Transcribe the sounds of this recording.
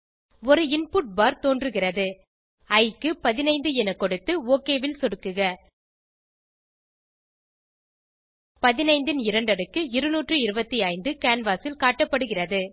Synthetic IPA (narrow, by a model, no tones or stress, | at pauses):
ɔɾɯɪnpuːʈ̚baːɾt̪oːndrɯɣɪrɐðɯ | ɐɪkːɯpɐðɪnɐɪnd̪ɯɛnɐkːɔɽɯt̪ːɯoːkeːʋɪlsɔɽɯkːɯɣɐ | pɐðɪnɐɪnd̪ɪnɪɾɐɳɖɐɽɯkːɯɪɾɯnuːʈrɯɪɾɯbɐt̪ːiɐɪnd̪ɯkaːnʋaːsɪlkaːʈːɐpːɐɽɯɣɪrɐðɯ